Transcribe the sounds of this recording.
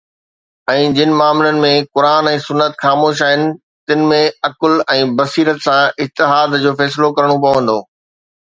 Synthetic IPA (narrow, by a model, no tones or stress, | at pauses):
ɛ̃ːd͡ʑɪnɪ̆maːmlənɪ̆mẽkʊɾaːnɛ̃ːsʊnːət̪xaːmoːʃ̬aːɦɪnɪ̆ | t̪ɪnɪ̆mẽɐklɛ̃ːbɐsiːɾət̪sãɪt̪ɪɦaːd̪d͡ʑoːfɛːs̬ɪlokɐɾəɽ̃op̬ɐʋə̃n̆d̪oː